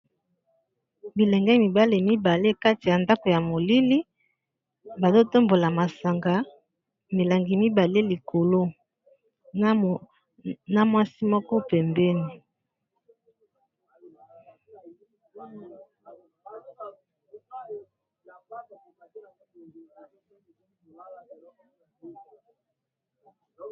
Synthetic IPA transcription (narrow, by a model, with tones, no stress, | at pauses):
bi˨lɛ˨ŋɡɛ˦mi˨ba˦le˨mi˦ba˨le˦ka˦ti˨ja˨nda˦ko˨ja˨mo˨li˦li˦ | ba˨zo˦to˦mbo˨la˨ma˨sa˨ŋɡa˨˦ | mi˨la˨ŋɡi˨mi˦ba˨le˦li˨ko˨lo˦ | na˦mwa˦si˦mɔ˦kɔ˦pɛ˨mbɛ˦ni˨